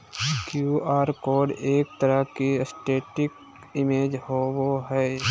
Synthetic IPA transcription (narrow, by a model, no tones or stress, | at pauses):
kjuːaːɾkoːɾɖeːk̚t̪əɾəkiəsʈeːʈɪk | ɪmeːd͡ʒhoːwoɦɛː